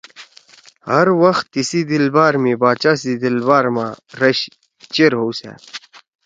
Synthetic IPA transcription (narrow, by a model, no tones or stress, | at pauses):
hɐɾwɐxt̪ːisid̪ilbaːɾmibaːt͡ɕaːsid̪ilbaːɾma̰ɾɐɕ | t͡ɕeɾɦowsḛ